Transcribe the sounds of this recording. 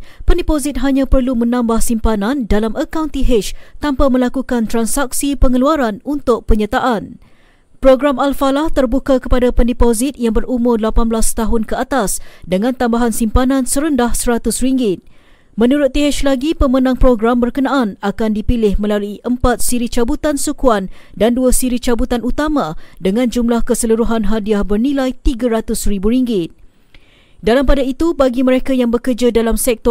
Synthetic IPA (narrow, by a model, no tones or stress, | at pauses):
pəndipozɪt̪̚ɦaɲãpərlumə̃nãmbahsimpanandalaməkawnt̪iɦɪt͡ʃt̪ampamə̃lakukant̪ɾansaksipəŋəluaɾanunt̪ʊk̚pəɲət̪aʔan | pɾoɡɾamalfalaht̪ərbukakəpadapəndipozɪt̪̚jaŋbərumʊrdlapanblast̪aɦʊnkəat̪asdəŋãnt̪ambaɦansimpanãnsəɾəndahsəɾat̪ʊsriŋɡɪt̪̚ | mə̃nuɾʊt̪̚ːiɦɛʃlaɡipəmənãŋpɾoɡɾambərkənaʔːnakandipilɪhmə̃laluiʔəmpat̪̚siɾit͡ʃabut̪ansukuan | danduasiɾit͡ʃabut̪anut̪amãdəŋãnd͡ʒumlahkəsəluɾuɦanɦadiahbərnĩlajt̪iɡaɾat̪ʊsribuɾiŋɡɪt̪̚ | dalampadait̪ubaɡiməɾekajaŋbəkərd͡ʒadalamsɛk̚t̪ɔ